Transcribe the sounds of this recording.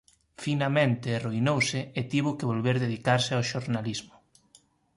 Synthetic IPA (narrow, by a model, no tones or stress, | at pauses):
finamẽnt̪eːruinowsɪːt̪iβʊkeβolβeɾðeðikaɾsɪawʃoɾnalizmʊ